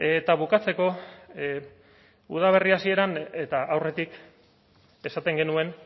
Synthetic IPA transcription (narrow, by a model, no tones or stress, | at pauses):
e̞t̪aβukat͡se̞ko̞ | ṵð̞aβ̞e̞riasie̞ɾane̞t̪aʔawre̞t̪ik | e̞sat̪e̞ŋɡe̞nue̞n